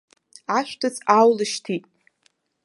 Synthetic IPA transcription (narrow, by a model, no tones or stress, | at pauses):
aʃʷᶣtʰɨt͡sʰʼawlɨʃtʰitʼ